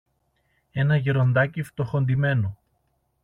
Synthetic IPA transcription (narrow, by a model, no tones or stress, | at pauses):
e̞nɐʝeɾo̞nd̪ɐcift̪o̞xo̞nd̪ime̞no